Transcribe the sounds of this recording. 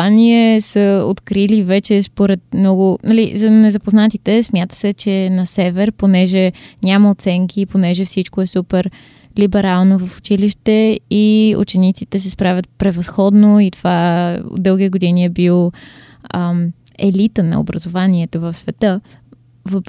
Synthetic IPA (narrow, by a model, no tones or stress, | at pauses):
aniɛsəo̰t̪kɾilivɛt͡ʃɛspoɾɛt̪̚mnɔɡʊnɐlḭzɐnɛzɐpoznat̪it̪ɛsmjat̪ə̥sɛt͡ʃɛnɐsɛvɛɾponɛʒɛnʲaməot̪sɛŋkʰiːponɛʒɛfsit͡ʃkoɛsupɛɾ | libɛɾalˠnovəfʊ̥t͡ʃiliʃt̪ɛiṵt͡ʃɛnit̪sit̪ɛs̬ɛspɾavʲət̪̚pɾɛvɐsxɔd̪noit̪ovao̰d̪d̪ɤlˠɡʲit̪ɛɡod̪iniɛbilˠ | ɛ̰lit̪ənɐ̰o̰bɾəzovaniɛt̪ovəfsvɛt̪ɤ | vəp